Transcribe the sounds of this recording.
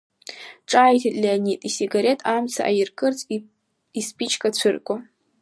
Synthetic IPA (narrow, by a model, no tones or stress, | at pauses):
ʈ͡ʂʼajtʰitʼlʲianitʼisiɡaɾe̞tʼʰamt͡sʰa̰ʔajɪrkʼɨrt͡sʼ | ispʼit͡ʃʰkʼat͡ɕʷʰɨrkʷʼa